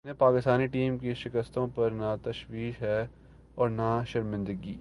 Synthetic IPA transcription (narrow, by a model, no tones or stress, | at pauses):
nepaːkɪst̪aːniʈiːmkeʃɪkəst̪õpɐɾnat̪ɐʃʋiːʃɦɛː | ɔːɾnaʃɐɾmɪ̃nd̪əɡiː